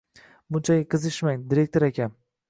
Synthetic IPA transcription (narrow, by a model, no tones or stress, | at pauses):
bʊnt͡ʃʰajɪqʰɨzɪʃmajd̪ɪɾe̞k̚ʲt̪oɾakʲʰan